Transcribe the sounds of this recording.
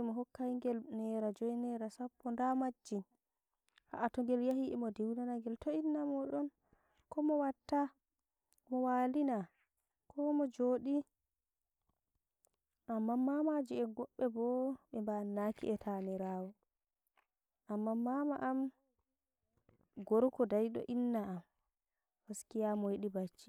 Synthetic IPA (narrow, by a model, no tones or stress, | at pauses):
ɛmɔɦɔkːajŋɡɛlnɛɾad͡ʒɔjnɛɾasapːɔndamad͡ʒːin | ha̰ʔatɔŋɡɛljaɦiɛmɔdiwnanaŋɡɛltoinːamɔɗɔn | kɔmɔwatːa | mɔwalina | kʰɔmɔd͡ʒoɗi | ʔamːamːamad͡ʒiɛɡɔɓːɛbɔɓɛmbanːakḭʔɛtʰanɛɾaːwɔ | ʔamːamːamaʔam | ɡɔɾkɔdajɗɔ̰ʔinːaːm | haskijamɔjiɗibat͡ʃːi̥